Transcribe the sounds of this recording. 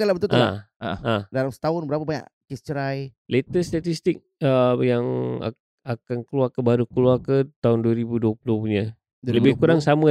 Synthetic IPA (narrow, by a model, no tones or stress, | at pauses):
alabət̪ult̪alaaadalamsə̥t̪aʊnbəɾapabaɲa̰ʔkist͡ʃəɾajlet̪əst̪at̪ist̪ɪk̚əjaŋa̰ | akankəluarkəbaɾukəluarkət̪aʊnduaɾibuduapuluhpuɲa | ləbɪhkuɾaŋsamə